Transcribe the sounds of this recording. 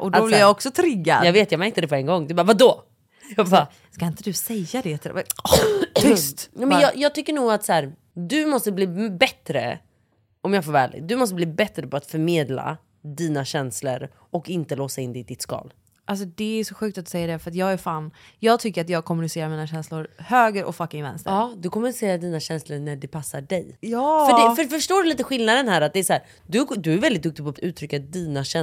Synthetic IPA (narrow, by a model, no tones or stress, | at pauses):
ʔɔdaɔblɪjɑɔksɔt̪ʰɾɪɡːa̰d̪jɑveːt̪jɑɡmɛɾkt̪əd̪ɛpʰɔɛŋɡɔŋːd̪ɵbaːɾvad̪ɔ | jɑba | skaɪnt̪əd̪ɵsɛjːad̪ɛt̪ʰɪ̰va̰ | ʏst̪nɛmɛnjɑjɑːt̪ʰʏkːəɳuːɡat̪sæːɾ | d̪ɵmɔst̪əbliːbɛt̪ɾə̰ | ɔmjɑːɡfoːɾvæːlɪ̰ɡ̚d̪ɵmɔst̪əbliːbɛt̪ːɾəpʰɔat̪fœɾmeːd̪la̰ | d̪iːnaɕɛnslə̰ɾ | ɔkɪnt̪əloːsaɪnd̪ɛɪd̪ɪt̪skɑ̰ːl | ʔals̬ɔd̪ɛæʂsɔɧʉ̟ːkt̪at̪d̪ɵ̥sɛjːaɖɛfœɾat̪jɑːɡæɾfaːnjɑːɡ̚t̪ʰʏkːəɾat̪jɑːɡ̚kʰɔmɵnɪseːɾaɾmɛiːnaɕɛnslʊɾhøːɡəɾʔɔ̰kfakːɪŋvɛ̰nst̪əɾɑːd̪ɵkʰɔmːʉnɪseːɾaɖiːnaɕɛnsləɾɳæɖɛpʰasːaɖɛjjɑːœɛfœfœʂʈoːɖɵliːt̪əɧɪlnad̪ənhæːɾat̪̚d̪ɛæsɔhæːɾ | d̪ɵd̪ɵæɾvɛld̪ɪt̪̚d̪ɵk̚t̪ɪɡ̚pʰɔat̪ʉ̟ːt̪ʰɾʏkːad̪iːnaɕɛ